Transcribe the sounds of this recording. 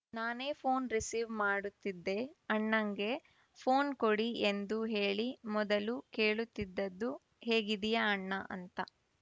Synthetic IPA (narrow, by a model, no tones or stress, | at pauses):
naːne̞ːpʰoːnɾisiːʋmaːɽut̪ːid̪ːe̞ɐɳːɐŋɡe̞ | pʰo̞ːnkoɽiend̪uɦeːɭimɔd̪ɐlukeːɭut̪ːid̪ːɐd̪ːu | he̞ːɡid̪ijɐɐɳːɐʔɐ̰nt̪ɐ